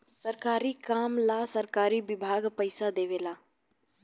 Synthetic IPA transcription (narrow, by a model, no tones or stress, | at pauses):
səɾkaːɾikaːmlasəɾkaːɾibɪbʱaːɡpəɪsad̪eːʋeːlaː